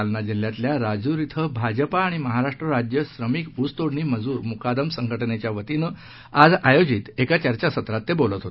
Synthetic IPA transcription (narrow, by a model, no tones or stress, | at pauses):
lnad͡ʑil̤jat̪ljaɾad͡zuɾit̪ʰəbʱad͡ʑəpaːɽ̃iməɦaɾaʂʈɾəɾad͡ʑjəsɾəmiːkust̪oɽɳiːməd͡zuːɾmukad̪əmsəŋɡəʈnet͡ɕjaʋət̪inə | ad͡zajod͡ʑit̪ekat͡ɕəɾt͡ɕasət̪ɾat̪ːebolət̪ɦot̪e